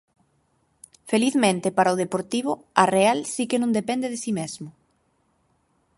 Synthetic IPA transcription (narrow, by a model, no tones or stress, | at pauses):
feliθmẽnt̪ɪpaɾaoðepoɾt̪iβʊ | arealsikenũŋd̪epɛ̃nd̪eðesimezmʊ